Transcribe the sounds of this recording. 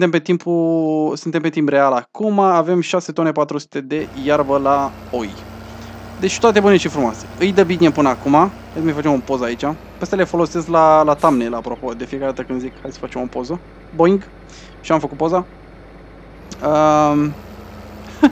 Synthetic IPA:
ɨt̪empet̪impusɨnt̪e̞mpet̪impre̞alakumaːve̞mʃase̞t̪o̞ne̞pat̪ɾusu̥t̪e̞d̪e̞jarvəla | oj | d̪e̞t͡ʃʲt̪oat̪e̞bune̞ʃifɾumoase̥ɨjd̪əbinepɨnəakuma | ad̪majfat͡ʃemopo̞zait͡ʃa | pest̪ale̞fo̞lo̞se̞sklalat̪amnelaːpɾo̞po̞d̪e̞fijekaɾed̪at̪əkɨnd̪zikhajd̪sə̥fat͡ʃe̞mopo̞zə | boiŋɡ | ʃiamfəkut̪̚po̞za | ə

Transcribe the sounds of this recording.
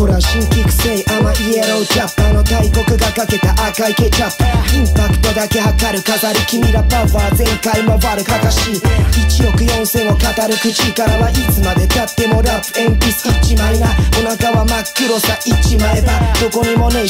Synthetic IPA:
oɾaɕiŋkikɯ̟̥seiʔamaʔieɾod͡ʒapːanot̪aikokɯ̟ɡakake̞t̪aʔakaike̞t͡ʃapĩnt̪akɯ̟̥t̪o̞d̪ake̞hakaɾɯ̟kat̪aɾɯkʲimiɾapapaazẽ̞ŋkaimo̞baɾɯ̟kak̪aɕiit͡ʃio̞kɯ̟jõnsẽ̞ŋokat̪aɾɯ̟kɯ̟t͡ʃikaɾaβaʔit͡sɨmad̪e̞kat̪ːemo̞ɾapɯ̥empisɨ̥it͡ʃimainaonakaβamakːiɾo̞sait͡ʃimaebad̪̥oko̞ɲimo̞no

